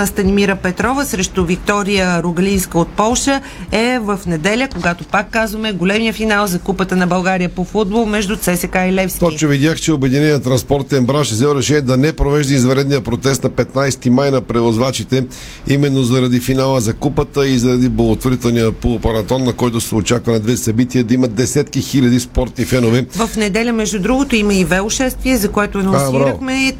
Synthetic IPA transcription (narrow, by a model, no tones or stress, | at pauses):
st̪ɐnimiɾəpɛt̪ɾɔvəsɾɛʃt̪ʊvik̚t̪ɔɾijəɾʊɡəlinskəot̪̚pɔlˠʃə | ɛvəfnɛd̪ɛlʲəkoɡat̪opakːazvəmɛɡolʲɛmiəfinalˠzɐkupət̪ənɐbɐlˠɡaɾijəpofud̪̚bolˠmɛʒd̪ʊt̪sɛsɛkailɛfst̪ɔt͡ʃovid̪jaxt͡ʃɛobɛd̪inɛniət̪ɾɐnspɔɾt̪ɛnbɾaʃɛzɛlˠɾɛʃɛniɛd̪ɐnɛpɾovɛʒd̪ɐizvɐɾɛd̪nijəpɾot̪sɛst̪nɐpɛt̪najst̪imajnɐpɾɛvozvat͡ʃit̪ɛ | imɛnːozɐɾɐd̪ifinalˠəzɐkupət̪əizɐɾɐd̪iblˠɐɡot̪voɾit̪ɛlˠnijəpopɐɾɐt̪ɔnːɐkɔjt̪ʊsɛot͡ʃakvɐnɐd̪vɛsɐbit̪iəd̪ɐimɐt̪̚d̪ɛsɛt̪kixilʲɐd̪ispɔɾt̪nifɛnovɛvəfnɛd̪ɛlʲəmɛʒd̪ʊd̪ɾuɡot̪oiməivɛʊʃɛst̪viɛzɐkoɛt̪ʊɐnonsbɾiaɾəxmɛ